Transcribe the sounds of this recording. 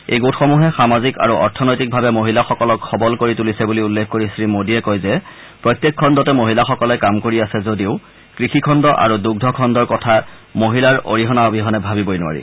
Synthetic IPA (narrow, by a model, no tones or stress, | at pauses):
ḛjɡotxomuɦɛxamazika̰ɹuʔɔ̰ɹtʰɔnojtik̚bʱabɛmoɦilaxɔkɔlɔkxɔbɔlkoɹitulisɛbuliulːekʰkoɹisɹimodijɛkojzɛ | pɹɔjt̪ːjekʰːɔndɔtɛmoɦilaxɔkɔlɛkamkoɹiasɛzodiʊ | kɹixikʰɔndɔʔa̰ɹuduɡ̚dʱɔkʰɔndɔɹkɔtʰa | moɦilaɹo̰ɹiɦɔnaobʱiɦɔnɛbʱabibojnʊa̰ɹḭ